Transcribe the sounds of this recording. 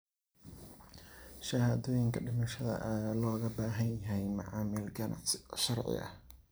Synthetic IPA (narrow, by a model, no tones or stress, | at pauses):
ʃɐhaːðɔːjɪŋkʰɐɖɪmɐʃɐðɐ̰ʔɐjaːlɔːɣɐbaːɦɐnjɐɦɛjmɐʕaːmɪlɡɐnʔɐ̰ʃɐrʕɪ̰ʔɐ̰h